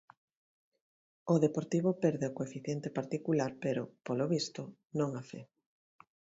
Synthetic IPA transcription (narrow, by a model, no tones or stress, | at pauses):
oðepoɾt̪iβ̞opɛɾðeokoefiθjent̪epaɾt̪ikulaɾpeɾopoloβist̪ʊ | nõŋafe